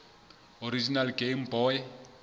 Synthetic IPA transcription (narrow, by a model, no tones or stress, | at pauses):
oɾid͡ʒinalɡem̩bɔːɛ